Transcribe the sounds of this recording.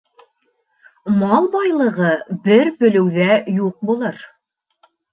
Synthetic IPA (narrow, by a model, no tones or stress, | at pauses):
mɑlˠbɑjlˠɤ̆ʁɤbɘɾpɵ̆lɵ̆wðæjuq̚bulˠɤɾ